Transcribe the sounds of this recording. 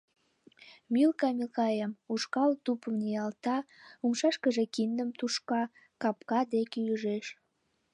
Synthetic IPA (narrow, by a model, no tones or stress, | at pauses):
milkɑmilkɑjəmuʃkɑlt̪upəmnijɑlt̪ɑumʃɑʃkəʒekind̪əmt̪uʃkɑ | kɑp̚kɑd̪ekeyʒeʃ